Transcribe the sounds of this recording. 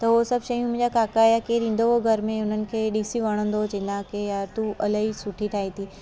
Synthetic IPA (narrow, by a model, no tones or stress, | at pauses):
t̪ɐɦosɐbʃɐjũmʊ̃ɦɲd͡ʑakaːkajakeːɗĩːn̆d̪oɦoɡʱɐɾmẽʊn̤ənɪ̆kʰeːɗisiʋɐɽ̃ə̃nd̪ot͡ɕẽnãkejaːɾt̪uʔɐləɦisʊʈʰiʈʰaːɦit̪ʰiː